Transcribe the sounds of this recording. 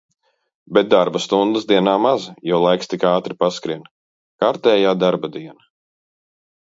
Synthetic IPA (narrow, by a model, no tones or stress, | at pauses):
bɛt̪̚d̪aɾbast̪und̪əsd̪iɛnaːmazjɔwlˠajkst̪ikaːt̪ɾipaskɾin | kaɾt̪ɛːjaːd̪aɾbad̪iɛna